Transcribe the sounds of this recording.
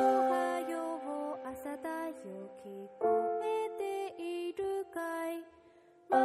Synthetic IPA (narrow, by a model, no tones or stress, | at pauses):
kajoβoasad̪ajɯkikɯmet̪eiɾɯkaj | m